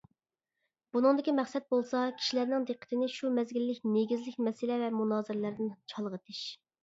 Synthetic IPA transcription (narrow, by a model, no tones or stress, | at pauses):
b̥unɨŋd̪ɪkʲimɛχsɛt̪̚bolˠsɑkʲʰi̥ʃilæɾnɪŋd̪ɨqʰːə̥t̪ʰɪnɪʃumɛzɡʲilːɪkʲneɡʲizlɪkʲmɛsɪlɛvɛmunɑːzɪɾlæɾd̪ɪnt͡ʃʰɑlˠʁət̪ʰɪʃ